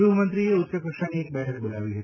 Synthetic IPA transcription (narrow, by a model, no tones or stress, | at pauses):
ubʱmə̃nt̪ɾieʊt̪ːɕəkɾəʂanieːk̚bɛɦək̚bolaʋiɦət̪